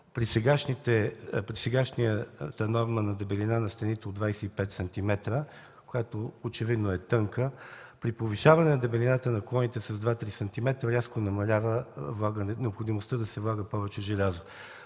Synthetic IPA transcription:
pɾisɛɡaʃnit̪ɛpɾisɛɡaʃnijət̪ɐnɔɾmənɐd̪ɛbɛlinanɐst̪ɛnit̪ɛod̪d̪vajsɛipɛt̪sɐnt̪imɛt̪ɾə | kojat̪oot͡ʃɛvid̪noɛt̪ɤŋkəpɾipoviʃavɐnɛnɐd̪ɛbɛlʲinat̪ənɐklˠɔnit̪ɛsɐzd̪vat̪ɾisɐnt̪imɛt̪ɾəɾʲaskonɐmɐlʲavəvlˠaɡənnɛopxod̪imost̪əd̪ɐsɛvlˠaɡəpɔvɛt͡ʃɛʒɛlʲazo

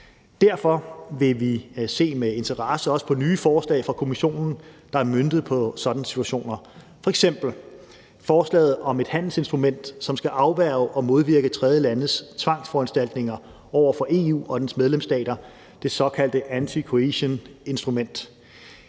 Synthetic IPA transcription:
d̥æɐ̰fɒ̽ʋe̝ʋise̝̰ːmee̝nt͡sʰɐʁɑ̈səɒ̽sə̥pʰɒ̽nyːfɒːslɛ̰ɪfʁɑ̈kʰo̝miɕo̝̰ːnn̩d̥ɑ̈æɐmønd̥ð̩ˠpʰɒ̽sɒ̽d̥ænəsi̥t͡sʰuæɕo̝̰ːnɐ | fɒ̽eɡ̥sem̰b̥l̩ | fɒːslɛ̰ːð̞̩ˠɒ̽me̝d̥hæn̰l̩se̝nsd̥ʁumen̰d̥sɒ̽msɡ̥æʔɑ̈ʊʋæɐʊʔɒ̽mo̝ð̞ˠʋiɐɡ̥ət͡sʰʁɛð̞ˠjəlænð̩st͡sʰʋɑ̈ŋ̰sfɒænsd̥æl̰d̥ne̝ŋɐ | ɒʊ̰ɐfɒ̽ʔe̝ːṵːɒ̽d̥ensmeð̞ˠlemsd̥ɛ̰ːɾ̥ɐ | d̥e̝sɒ̽kʰæl̰d̥əʔænt͡sʰikʰo̝eɕəne̝nsd̥ʁumen̰d̥

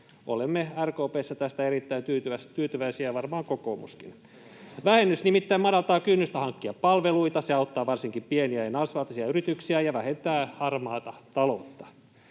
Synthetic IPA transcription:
ʔo̰lemːeærkoːpeːsːɑt̪æst̪æerit̪ːæint̪yːt̪yʋæst̪yːt̪yʋæisiæʋɑrmɑːŋkokoːmṵskḭn | ʋæhenːysnimit̪ːæimɑdɑlt̪ɑːkynːyst̪æhɑŋkːiɑppɑlʋeluit̪ɑseɑut̪ːɑːʋɑrsiŋkimpieniæenɑsʋɑlt̪ɑsiɑyɾit̪yksiæjɑʋæhent̪æːhɑrmɑːt̪ɑt̪ɑlo̰t̪ːɑ̥

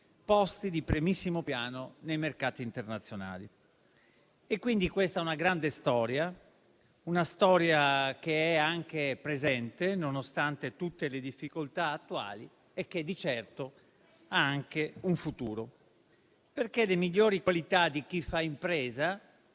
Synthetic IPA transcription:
pɔst̪id̪ipɾimisːimopjaːnonejmerkaːt̪iːnt̪ernat̪sːjona̰ːlḭ | ekːwind̪ikwest̪aɛunaɡɾand̪est̪ɔːɾja | unast̪ɔːɾjak̟eɛaŋk̟epɾezɛnt̪enonost̪ant̪et̪ut̪ːeled̪ifːikolt̪aːt̪ːua̰ːli | ek̟ːed̪ːit͡ʃɛrt̪o | aaŋkeuɱfut̪uːɾo | perkelemiʎːoːɾikwalit̪ad̪ik̟ifːaimpɾeːza

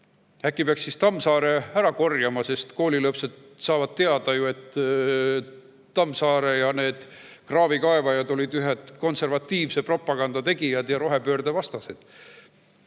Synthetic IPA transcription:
ækːˑipeɑksːist̪ɑmːsɑːɾe̞æɾɑko̞rjɑmɑse̞st̪ko̞ːlʲilɤpse̞d̪̥ | sɑːvɑd̪̥̚t̪e̞ɑd̪̥ɑjue̞t̪ː | ɑmːsɑːɾe̞jɑne̞ːd̪̥ | krɑːvikɑevɑjɑd̪o̞lid̪̥yɦe̞d̪̥ko̞nse̞rvɑt̪ːiːvse̞pro̞pːˑɑɡ̥ɑnd̪̥ɑt̪e̞ɡ̥ijɑd̪̥jɑɾo̞ɦe̞pø̞ːrd̪evɑst̪ɑsed̪̥

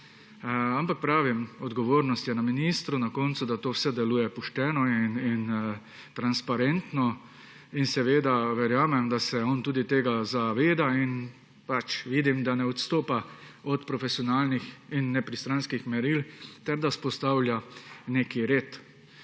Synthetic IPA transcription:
ampak̚pɾaːʋimɔd̪ɡɔʋoːɾnɔst̪jɛnaminist̪ɾunakɔnt̪sud̪at̪oːwsɛd̪ɛluːjɛpuʃt̪ɛːnɔinin | t̪ɾanspaɾent̪nɔ | insɛʋeːd̪aʋɛɾjaːmɛmd̪asɛɔnt̪uːd̪it̪eːɡazaʋeːd̪ain | pat͡ʃʋiːd̪imd̪anɛɔt̪st̪oːpaɔt̪pɾɔfɛsiɔnaːlnixinːɛpɾist̪ɾanskixmɛɾilt̪ɛɾd̪aspɔst̪awlʲjaneːkiɾeːt̪

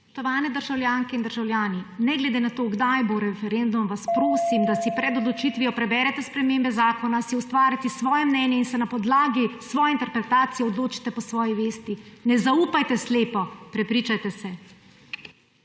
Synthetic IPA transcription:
t̪ɔʋaːnɛd̪əɾʒawljaːŋkɛind̪əɾʒawljaːninɛɡlɛd̪eːnat̪oːɡd̪ajboɾɛfɛɾend̪umʋaspɾoːsimd̪asipɾɛd̪ɔd̪lɔt͡ʃit̪ʋiɔpɾɛbɛɾɛt̪ɛspɾɛmeːmbɛzaːkɔnasiust̪ʋaːɾjat̪isʋɔːjɛmnɛnjɛinsɛnapɔd̪laːɡisʋɔːjɛint̪ɛɾpɾɛt̪aːt̪sijɛɔd̪loːt͡ʃi̥t̪ɛpɔsʋɔːjiʋeːst̪inɛzaupajt̪ɛsleːpɔpɾɛpɾiːt͡ʃajt̪ɛsɛ

